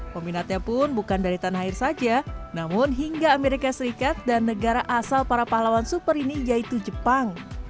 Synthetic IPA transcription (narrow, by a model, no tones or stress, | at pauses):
kominat̪̚ɲapʊnbukandaɾit̪anhaɪrsad͡ʒanamʊnɦiŋɡaːmeɾikasəɾikat̪̚danːəɡaɾaʔasalpaɾapahlawansupəɾinijait̪ud͡ʒəpaŋ